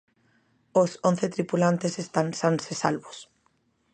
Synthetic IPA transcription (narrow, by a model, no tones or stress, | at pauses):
oson̟θet̪ɾipulant̪esest̪ansansesalβʊs